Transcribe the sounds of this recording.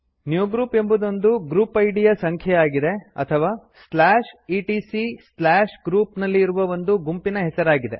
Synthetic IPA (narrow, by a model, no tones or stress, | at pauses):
njuːɡɾuːpe̞mbud̪o̞nd̪uɡɾuːpɐjɖijɐsɐŋkʰjɐjaːɡid̪eɐ̰t̪ʰɐʋaː | slaːʂiʈiːsislaːʂɡɾuːpnɐlːiːɾuʋɐʋo̞nd̪uɡumpinɐɦɛsɐɾaːɡid̪e̞̰